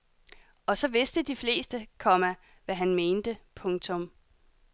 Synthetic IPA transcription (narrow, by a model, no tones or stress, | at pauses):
ɒ̽sɒ̽ʋe̝sd̥əd̥ifle̝̰ːsd̥əkʰɒ̽mæ | ʋæɦænme̝ːnd̥əpʰɔ̽ŋt͡sʰɔ̽m